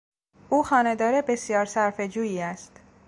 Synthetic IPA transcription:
ʔuːxɒːne̞d̪ɒːɾebe̞sjɒːɾsæɾfe̞d͡ʒuːjiːæst̪

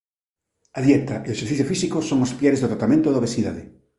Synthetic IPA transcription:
aðjɛt̪aʔeoeseɾθiθjofisikosoŋospjeɾezðot̪ɾat̪amẽnt̪oðoβesiðaðɪ

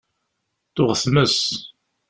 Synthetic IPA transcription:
θʊʁθməs

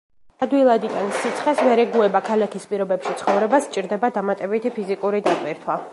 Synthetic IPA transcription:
ad̪wilˠad̪iɡ̪ansit̪sʰχɛsvɛɾɛɡuɛbakʰalakʰispʼiɾɔbɛpʃit̪sʰχɔvɾɛbast͡ʃʼiɾd̪ɛbad̪amat̪ʼɛbit̪ʰipʰizikʼuɾid̪at̪ʼwiɾt̪ʰwa

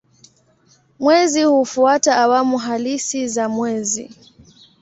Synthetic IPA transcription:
mwɛzihufuataːwamuɦalisizamwɛzḭ

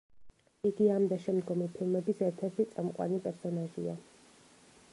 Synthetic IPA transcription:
iɡiamd̪aʃɛmd̪ɡɔmipʰilˠmɛbisɛɾt̪ʰɛɾt̪ʰit̪sʼamqʼwa̰nipʼɛɾsɔnaʒḭa̰

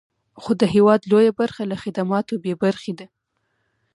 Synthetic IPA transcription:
xod̪əɦewɑd̪lojabaɾxalaxɪd̪amɑt̪obebaɾxed̪a

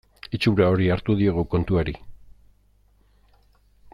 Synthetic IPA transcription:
it͡ʃuɾao̞ɾiaɾt̪uðieɣ̞uko̞nt̪uaɾi

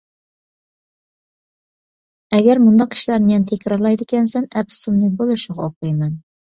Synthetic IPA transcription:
ɛɡʲɛɾmund̪ɑq̚kʰʲi̥ʃlæɾnɪjɛnt̪ʰækʰʲɾɑɾlˠɑjd̪ɪkʲɛnsɛnɛpssunlɨk̚bolˠuʃuʁɑoqɨjmɛn

